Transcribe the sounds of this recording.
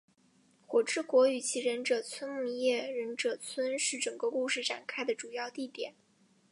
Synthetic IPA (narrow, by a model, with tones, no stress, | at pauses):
xwɔ˨˩ʈ͡ʂɻ̩˥˩kwɔ˧˥y˨˩t͡ɕʰi˧˥ɻə˧˥nʈ͡ʂɤ˨˩t͡sʰwə˥nmu˥˧˥jɛ˥˩ɻə˧˥nʈ͡ʂɤ˨˩t͡sʰwə˥nʂɻ̩˥˩ʈ͡ʂɤ˨˩ŋɡə˧ku˥˧ʂɻ̩˥˩ʈ͡ʂa̰˨˩nkʰa˥ɪd̪ə˨ʈ͡ʂu˨˩jɑ˥˧ʊt̪i˥˩t̪jɛ˨˩˦n